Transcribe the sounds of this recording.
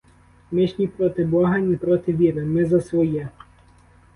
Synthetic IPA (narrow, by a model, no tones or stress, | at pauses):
mɪʃʲnʲipɾɔt̪ɪbɔɦɐnʲɛpɾɔt̪ɪʋʲiɾɪmɪzɐsʋɔjɛ